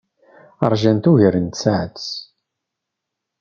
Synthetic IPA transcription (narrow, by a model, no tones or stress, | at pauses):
əɾˤʒænt̪uʝəɾənt̪sʕət͡s